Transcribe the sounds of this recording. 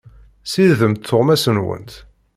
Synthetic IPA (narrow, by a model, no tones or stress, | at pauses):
siððəmt̪θːoʁmæsənwə̰nt̪